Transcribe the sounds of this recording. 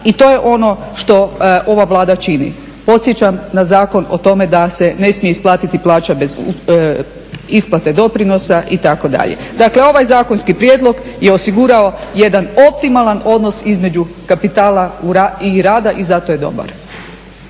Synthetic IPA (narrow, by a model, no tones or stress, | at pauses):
it̪oje̞ʔo̞no̞ | ʃt̪o̞ʔo̞ʋaʋlˠaːd̪at͡ʃinḭ | po̞t̪sje̞t͡ɕamnazaːko̞no̞̰t̪o̞me̞d̪asene̞smijeisplˠaːt̪it̪iplˠaːt͡ʃabe̞z | isplˠat̪e̞d̪o̞pɾino̞saʔit̪ako̞d̪a̰ʎḛd̪akle̞o̞ʋajzaːko̞nskipɾjeːd̪lo̞ɡjeosiɡuɾao̞je̞d̪ano̞p̚t̪imalˠano̞d̪no̞sizme̞d͡ʒukapit̪aːlauaiɾaːd̪aʔizat̪oje̞d̪o̞̰ba̰ɾ